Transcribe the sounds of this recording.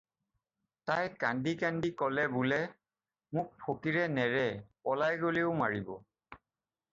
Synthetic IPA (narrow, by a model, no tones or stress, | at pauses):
tajkandikandikɔlɛbʊlɛ | mʊk̚pʰokiɹɛnɛɹɛpɔlajɡoleʊmaɹibɔ̰